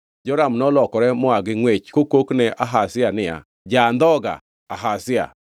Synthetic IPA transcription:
d͡ʒɔɾamnɔlɔkɔɾɛmɔaɡɪŋwet͡ʃkokoknɛʔaɦasɪanɪja̰ | d͡ʒand̪ɔɡa̰ | aɦasɪa̰

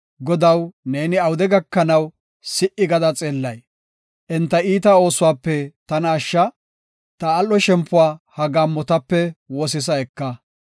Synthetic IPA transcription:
ɡɔd̪ɐwneːnɪɐwʊd̪ɛɡɐkːɐnɐw | sɪʔɪɡɐd̪ɐt͡sʼeːlːɐj | ʔɛnt̪ːɐiːt̪ɐo̞ːsʊwaːpːɛt̪ɐnaːʃːɐ | t̪ɐːlːɔʃɛmpːʊwaːhɐɡaːmːɔt̪ɐpːɛwɔs̬ɪs̬ɐɛkːɐ

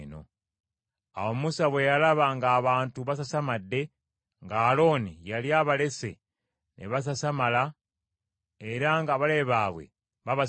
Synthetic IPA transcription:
no̞̰ | a̰wo̞musaβwe̞jalaβaŋɡaːβaːntuβas̬asamadːe̞ | ŋɡaːlo̞ːnijaljaːβale̞se̞̰ | nʔḛβas̬asamala | eɾaŋɡaβale̞βaːβwe̞̰ | βaβa

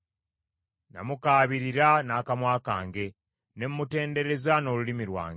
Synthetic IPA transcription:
na̰mukaːβiɾiɾanaːkamwaːka̰ːŋɡe̞ | ne̞mːute̞ːnde̞ɾe̞zano̞lulimiɾwa̰ːŋɡ

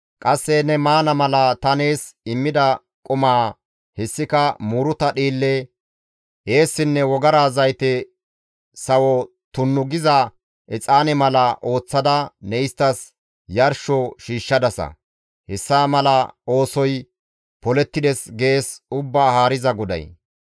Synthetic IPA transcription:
kʼɐsːɛnɛmaːnɐmɐlɐt̪ɐne̞ːsɪmːɪd̪ɐ | kʼɔmaː | hɛsːɪkɐmuːɾʊt̪ɐɗiːlːɛ | ʔeːsːɪnːɛwɔɡɐɾaːzɐjt̪ɛ | sɐwɔ | t̪ʊnːʊɡɪzɐ | ɛt͡sʼaːnɛmɐlɐʔo̞ːt͡sːɐd̪ɐnɛjɪst̪ːɐs | jɐɾʃɔʃiːʃːɐd̪ɐsɐ̰ | hɛsːaːmɐlɐo̞ːsɔj | pɔlɛt̪ːɪd̪ɛsɡe̞ːsʊbːaːhaːɾɪzɐɡɔd̪ɐ̰j

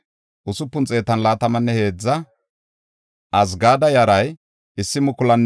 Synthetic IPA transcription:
ʔʊsʊpːʊnt͡sʼe̞ːt̪ɐnlaːt̪ɐmɐnːɛhe̞ːd͡zːɐ | ʔɐs̬ɡaːd̪ɐjɐɾɐj | ɪsːɪmʊkʊlɐnː

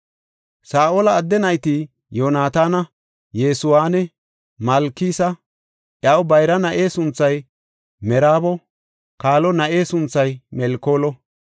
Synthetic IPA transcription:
saːʔolɐːd̪ːɛnɐjt̪i | joːnaːt̪aːnɐ | jeːsʊwaːnɛ | mɐlkːiːsɐ | ʔjɐwbɐjɾɐnɐʔe̞ːsʊnt͡sːɐj | mɛɾaːbɔ | kaːlɔnɐʔe̞ːsʊnt͡sːɐjmɛlkːo̞ːlɔ

